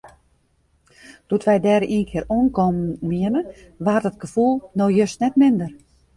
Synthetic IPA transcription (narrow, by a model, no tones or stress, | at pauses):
d̥utʋɛjdɛːɾəʔiənkʰɪːəronkɔmmiənə | ʋardət̚ɡəfulˠnojøsnɛtmɪndər